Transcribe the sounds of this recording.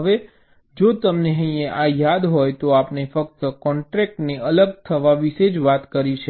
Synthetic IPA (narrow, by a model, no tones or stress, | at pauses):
ɦəʋe | d͡ʒot̪əmneɦə̃ĩeʔajad̪ɦojt̪oapnefək̚t̪əkɔɳʈɾɛk̚ʈneələɡ̚t̪ʰəʋaʋiʃed͡ʒʋat̪kəɾiʃʰe